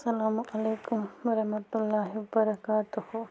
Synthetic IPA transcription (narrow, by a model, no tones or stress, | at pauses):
sɐlaːmʊʔɐleːkʊmʋɐɾɐɦmɐt̪ʊlːaːɦiʋɐbɐɾɐkaːt̪uhʊ